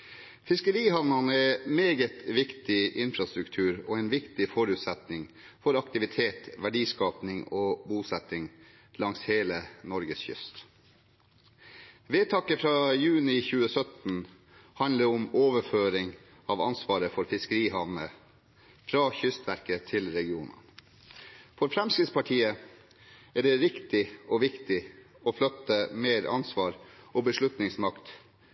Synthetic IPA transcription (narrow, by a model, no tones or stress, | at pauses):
fɪskəɾiːhɑʋnɑnəɛmeːɡət̪ʋɪkt̪ɪɪnfɾɑst̪ɾʉkt̪ʰʉːɾo̰ːɛɪnʋɪkt̪ɪfɔɾʉːt̪sɛt̪nɪŋfɔɾɑkt̪ɪʋɪt̪ʰeːt̪ʋæɖiːskɑːpnɪŋoːbuːsɛt̪ːɪŋ | lɑŋsheːlənɔɾɡəsçʏ̰st̪ | ʋeːt̪ʰɑkəfɾɑːjʉːnɪçʉːəsœt̪n̩ | hɑnləʊmoːʋəføːɾɪŋ | ɑʋɑ̰nsʋɑːɾəfɔɾfɪskəɾiːhɑʋnə | fɾɑːçʏst̪ʋæɾkət̪ʰɪlɾɛɡɪuːnə̰n | fɔɾfɾɛmskɪt̪spɑʈʰiːə | æɖɛɾɪkt̪ɪɔʋɪkt̪ɪ | oːflœt̪ːəmeːɾɑ̰nsʋɑːɾʔoːbəʂlʉt̪nɪŋsmɑkt̪